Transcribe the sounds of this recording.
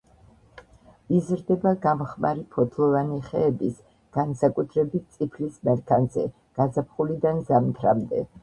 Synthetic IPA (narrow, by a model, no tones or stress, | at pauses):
izɾd̪ɛbaɡamχmaɾipʰɔd̪ʰlˠɔvaniχɛ̰ːbis | ɡ̥ansakʼut̪ʰɾɛbit̪̚t̪sʼipʰlismɛɾkʰanzɛ̰ | ɡ̥azap̚ʰχulid̪anzamt̪ʰɾamd̪ɛ̰